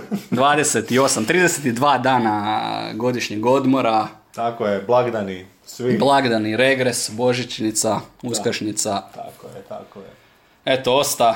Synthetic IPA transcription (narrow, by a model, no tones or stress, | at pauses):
d̪ʋaːd̪e̞set̪io̞samt̪ɾiːd̪eset̪id̪ʋaːd̪aːna̰ɡo̞d̪iʃɲeɡo̞d̪mo̞ɾa | t̪akojeblˠaɡd̪ani | sʋiblˠaɡd̪aniɾe̞ɡɾe̞sbo̞ʒit͡ʃnit̪sauskaʃɲit̪sat̪akojet̪akoe | et̪oo̞st̪a